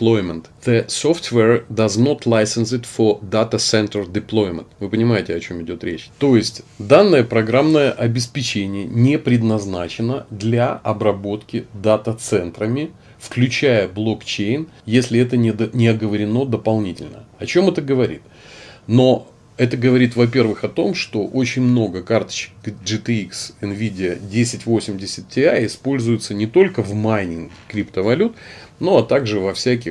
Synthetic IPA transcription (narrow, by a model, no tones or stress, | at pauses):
lˠo̞jmʲənt̪ð̥əsoft̪vɛrd̪ɐzno̞t̪lˠajsɨnsɨt̪fəd̪at̪əsɛnt̪ərdʲɪplˠo̞jmʲə̰nt̪vɨpənʲɪmajɪtʲɪɐt͡ɕo̞mɪdʲo̞t̪ɾʲḛt͡ɕt̪o̞jɪsʲtʲd̪anːəjəpɾɐɡɾamnəjəʔɐbʲɪspʲɪt͡ɕenʲɪjənʲepɾʲɪd̪nɐznat͡ɕɪnəd̪lʲaɐbɾɐbo̞t̪kʲɪd̪at̪ət̪sɛnt̪ɾəmʲɪ | fklʲʉt͡ɕæjəblˠo̞kt͡ɕejn | jesʲlʲɪɛt̪ənʲɪd̪nʲɪɐɡəvəɾʲɪno̞d̪əpɐlˠnʲitʲɪ̰lʲnə̰ɐt͡ɕo̞mɛt̪əɡəvɐɾʲḭt̪ | no̞ | ɛt̪əɡəvɐɾʲit̪vɐp̬ʲe̞rvɨxɐt̪o̞mʂt̪o̞ʔo̞t͡ɕɪnʲmno̞ɡəkart̪ə̥t͡ɕɪ̥kʐɨt̪ɨiksɨnvʲidʲɪədʲesʲɪtʲvo̞sʲɪmʲdʲɪsʲɪt̪̚tʲɪaɪspo̞lʲzʊjʊt̪sənʲɪt̪o̞lʲkəvmajnʲɪŋ | kɾʲipt̪əvɐlʲut̪no̞ɐt̪aɡʐɨvɐfsʲæk̬ʲɪ